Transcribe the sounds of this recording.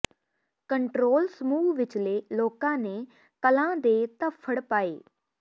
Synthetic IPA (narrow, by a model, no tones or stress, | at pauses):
kəɳʈɾoːlsəmuːʋɪt͡ʃleːloːkãːneː | kəlãːd̪eːt̪əpʰːəɽpaːḛː